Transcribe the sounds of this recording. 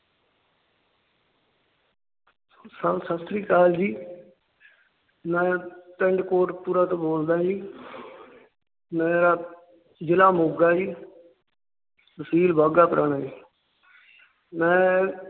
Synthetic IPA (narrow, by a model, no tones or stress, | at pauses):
səbsəst̪ɾiːkaːld͡ʒiː | mɛ̃ːt̪əɳɖkoːʈpuːɾaːt̪õːboːld̪aːd͡ʒiː | mɛ̃ːɾaː | d͡ʒɪlaːmoɡaːd͡ʒiː | məsiːlbʱaːɡaːpəɾəɳaːiː | mɛ̃ː